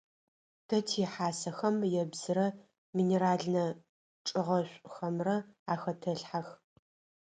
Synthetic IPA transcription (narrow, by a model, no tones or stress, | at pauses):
d̥ʰɐtʰiħaːsɐxɐmjɛbz̥ɨɾɐ | miːneɾaːɮnɐ | ʈ͡ʂʼɨʁɐɕʷʼxɐmrɐaːxɐtʰɐɬħax